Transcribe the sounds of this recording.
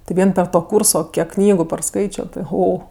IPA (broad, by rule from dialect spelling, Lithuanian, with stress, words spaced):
tʲɪ ˈʋʲiɛn pʲɛr ˈtoː ˈkuːrsoː ˈkʲiɛk ˈknʲiːɡʊ pɐrˈskɐɪt͡ʃʲoː tʲɪ ˈɣoː